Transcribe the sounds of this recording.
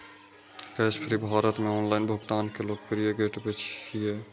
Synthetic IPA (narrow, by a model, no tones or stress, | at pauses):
kəjspʰɾibʱaɾət̪meɔnlaɪnbʱuɡt̪aːnkelok̚pɾijeɡeʈbet͡ʃʰkije